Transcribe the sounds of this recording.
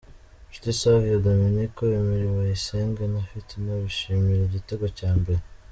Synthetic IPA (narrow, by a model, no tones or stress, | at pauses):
ʃu̥tisavijaɡaminikoimiɾiwaiseːŋɡenafitinaβiʃimiɾeɟiteɡocaːmbe̞ɾe